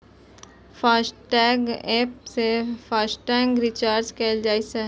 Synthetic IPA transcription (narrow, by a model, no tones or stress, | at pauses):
faːsʈɛːɡɛːpsefaːsʈɛːŋɡɾɪt͡ʃaːɾd͡ʒkɛːld͡ʒaːisɛ